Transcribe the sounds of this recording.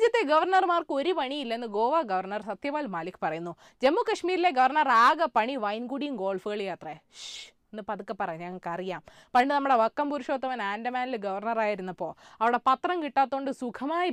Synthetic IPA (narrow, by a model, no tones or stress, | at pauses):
d͡ʑjɐt̪ːe̞ɡɐʋɐrnɐrmaːrkɨoɾupɐɳijilːɐnːɨɡo̞ːʋaːɡɐʋɐrnɐrsɐt̪jɐʋaːlmaːlikʲːɨ̥pɐrɐjunːu | d͡ʑe̞mːukɐʂmiːɾile̞ɡɐʋɐrnɐraːɡɐpɐɳiʋɐjnɡuɽijumɡo̞ːɭfɨɣɐɭjaːt̪rɐʂ | enːɨpɐðukːɐpːɐrɐjɲɐŋːɐɭkɐrijaːm | pɐɳɖɨnɐmːuɽe̞ʋɐkːɐmpuɾuʂoːt̪ːɐʋɐnaːndɐmaːnɐlɡɐʋɐrnɐraːjiɾunːɐpːo̞ːɐʋiɽe̞pɐt̪rɐmkiʈːaːt̪ːo̞ːɳɖɨsukʰɐmaːji